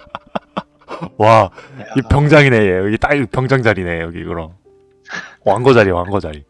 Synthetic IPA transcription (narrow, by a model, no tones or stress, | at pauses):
waipʰjʌŋd͡ʑaŋinejeʌɡit͈aɯpʰjʌŋd͡ʑaŋd͡ʑaɾineʌɡikɯɾʌ | waŋɡʌd͡ʑaɾiwaŋɡʌd͡ʑaɾi